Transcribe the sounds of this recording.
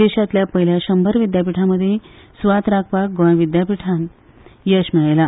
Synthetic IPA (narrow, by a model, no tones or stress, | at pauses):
d̪eɕat̪ljapəɦiljaɕəmbʱəɾʋid̪jap̬iʈʰaməd̪ʱːje | sʋat̪ɾakʰpak̚ɡʋəɳ̃ʋid̪japiʈʰãn | jəɕmiɭajla